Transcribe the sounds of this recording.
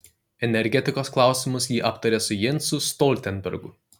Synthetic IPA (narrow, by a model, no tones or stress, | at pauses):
ɛnʲɛɾʲɡʲɛt̪ʲɪkoːsklˠɑˑʊsʲɪmʊs̬jiːʔɐpt̪ɐɾʲesʊjɛnʲˑsʊst̪ɔːlʲt̪ʲɛnʲbʲɛ̰ɾɡʊ̰